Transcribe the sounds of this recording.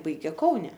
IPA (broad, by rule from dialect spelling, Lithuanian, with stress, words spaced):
ˈbɐɪɡʲeː ˈkɐʊnʲɛ